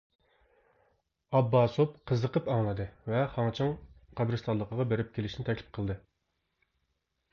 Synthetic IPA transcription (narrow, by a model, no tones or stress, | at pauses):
ɑbːɑːsopqʰəzəqəpɑŋlˠɨd̪ɨvɛχɑŋt͡ʃʰɪŋqɑbɾɨst̪ɑnlˠːəqəʁɑbeɾɪp̚kʲʰelɪʃnɪt̪ʰɛkʲlɪ̥p̚qʰəlˠd̪ɨ